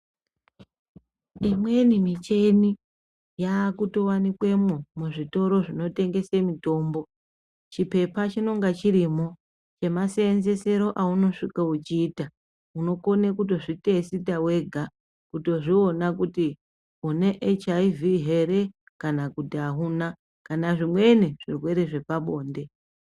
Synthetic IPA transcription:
imwe̞nimit͡ʃe̞ni | jaːkuto̞wanikwe̞momuʐito̞ɾo̞ʐino̞te̞ŋɡe̞semito̞ːmbo̞ | t͡ʃipe̞pat͡ʃino̞ŋɡat͡ʃiɾiːmo̞ | t͡ʃe̞maseːnze̞se̞ɾo̞ʔauno̞ʂikaut͡ʃiːta | uno̞ko̞nekuto̞ʐite̞sitawe̞ɡʱa | kuto̞ʐio̞nakuti | une̞ʔet͡ʃaiviɦe̞ɾe̞ | kanakutiaɦuna | kanaʐimwe̞neʐirwe̞ɾe̞ʐe̞paɓo̞ːnde̞

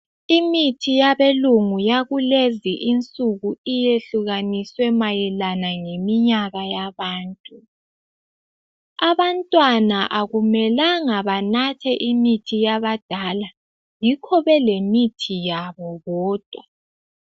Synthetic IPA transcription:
imitʰijaβeluŋujaɣuleziʔint͡sʼuɣuijeɬuɣaniswɛmajɛlanaŋemiɲaɣajaβaːntʼu | aβantʼwanaʔaɣumɛlaŋaβanatʰɛʔimitʰijaβad̥ʱala | jikʰɔβɛlemitʰijaβɔɣɔːd̥ʱwa

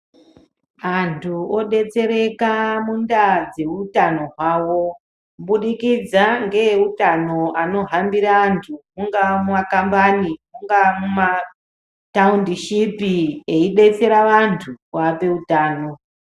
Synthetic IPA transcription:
antʰuo̞ɗe̞t͡se̞ɾe̞kamundad͡ze̞utano̞ɦwaːwo̞ | ɓuɗikid͡zaŋɡe̞utano̞ano̞ɦambiɾaːntʰumuŋɡamumakambanimuŋɡamuma | taundiʃipieiɗe̞t͡se̞ɾaʋantʰukape̞utaːno̞

